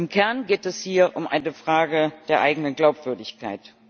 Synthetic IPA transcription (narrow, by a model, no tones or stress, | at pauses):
ɪmkʰɛɐnɡeːtɛshiːɐʔʊmʔa̰ɪnəfʁ̥aːɡəd̥eːɐʔa̰ɪɡənənɡlaʊpv̥ʏɐdɪçkʰa̰ɪt